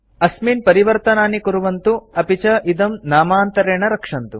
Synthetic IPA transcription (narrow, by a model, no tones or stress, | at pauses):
ɐsmiːnpɐɾiʋɐɾt̪ɐnaːnikuɾuʋɐnt̪uɐpit͡ʃɐʔid̪ɐmnaːmaːnt̪ɐɾeːɳɐɾɐkʂɐnt̪u